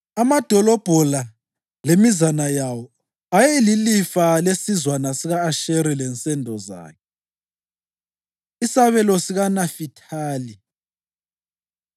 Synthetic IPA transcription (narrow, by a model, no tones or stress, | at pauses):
amad̥ʱɔlɔb̥ʱɔla | lemizanajawɔ | ajɛililifalesizwanasiɣaːʃeɾilɛnt͡sʼɛndʱɔza̰ːkʰɛ | isaβɛlɔsiɣanafitʰaːli